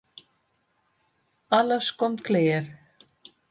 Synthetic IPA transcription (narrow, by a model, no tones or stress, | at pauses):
alaskɔmt̪kʰleːjɛɾ̥